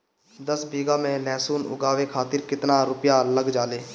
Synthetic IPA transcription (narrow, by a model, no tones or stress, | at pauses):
d̪əsbiːɡamẽlɛːsuːnʊ̰ɡaːʋekʰaːt̪ɪɾkɪt̪naɾʊpjaləɡd͡ʒaːleː